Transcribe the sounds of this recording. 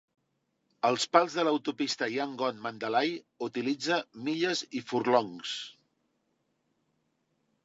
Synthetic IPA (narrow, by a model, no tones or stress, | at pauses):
əlˠspalˠzðələwt̪upist̪əiaŋɡɔnmənd̪əlaj | ut̪ilid͡zəmiʎəzifurlɔŋs